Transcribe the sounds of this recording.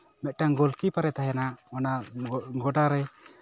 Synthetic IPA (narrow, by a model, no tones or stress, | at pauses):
mɛʔ̪̚ˀʈaŋɡɔlkipaɾɛt̪aɦɛnamanaɡɔʈaɾɛ